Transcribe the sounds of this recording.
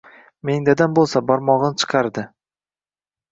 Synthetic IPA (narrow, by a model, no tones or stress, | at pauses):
me̞ŋd̪ad̪anbolˠsabɒɾmɒʁnt͡ʃʰɨ̥qʰɑɾd̪ɪ